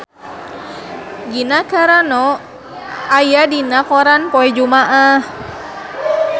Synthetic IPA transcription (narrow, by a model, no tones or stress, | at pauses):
ɡinakaɾanɔ | ajadinakɔɾanpɔɛd͡ʒumaʔah